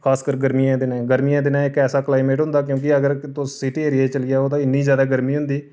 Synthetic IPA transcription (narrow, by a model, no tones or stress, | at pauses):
kʰaːskəɾɡəɾmiãːd̪ɪnɛ̃ːɡəɾmiːãːd̪ɪnãːɪkɛːsaːkəlaːɪmẽːʈɦʊ̃nd̪aːk̬jõːk̬ɪəɡəɾt̪osɪʈiːeːɾieːt͡ʃəlɪːaːoːd̪ãːɪnːiːzjaːd̪aːɡəɾmiːɦʊ̃nd̪iː